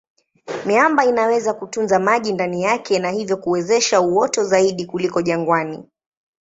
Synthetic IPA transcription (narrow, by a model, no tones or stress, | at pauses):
miambainawɛzakutunzamaʄindanijakʰɛnahivjɔkuwɛzɛʃauwɔtɔzaiɗikulikɔʄaŋɡwani